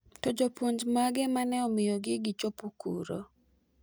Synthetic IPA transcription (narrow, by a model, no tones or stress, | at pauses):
tɔd͡ʒopwoɲd͡ʒmaɡɛmanɛɔmɪjɔɡɪɡɪt͡ʃopukṵɾo̰